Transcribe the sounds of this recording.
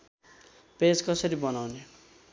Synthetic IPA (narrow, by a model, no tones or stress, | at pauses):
ped͡zkʌsʌɾibʌnawne